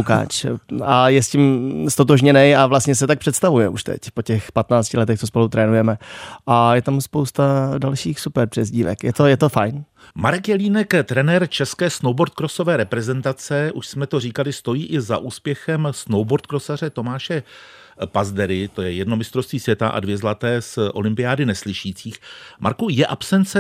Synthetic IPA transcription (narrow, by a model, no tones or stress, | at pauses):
uka̰ːt͡ʃajɛscɪmst̪o̞t̪̬oʒɲɛnɛjavlast̪ɲɛs̬ɛt̪ak̚pr̥ɛt̪st̪avujɛʔuʃt̪ɛ̰cpo̞cɛxpat̪naːt͡scɪlɛt̪ɛxt̪t͡sospolut̪ɾɛːnujɛmɛʔajɛt̪amspowst̪adalʃiːxsupɛɾpr̥ɛzɟiːvɛ̰kjɛt̪o̞jɛt̪ofajn | maɾɛkjɛliːnɛkt̪ɾɛnɛɾt͡ʃɛskɛːsnowbo̞ɾt̪̚kɾoso̞vɛːɾɛpɾɛzɛnt̪at͡sɛʔuʃsmɛt̪o̞riːkalɪst̪o̞jiːʔɪza̰ʔuːspjɛxɛmsnowboɾt̪̚kɾo̞sar̝ɛt̪o̞maːʃɛ | pazdɛɾɪt̪o̞jɛjɛdnomɪst̪ɾo̞st̪viːsvjɛt̪aʔa̰dvjɛzlat̪ɛːsʔo̞lɪmpɪjaːdɪnɛslɪʃiːt͡siːxma̰ɾkujɛʔapsɛnt͡sɛ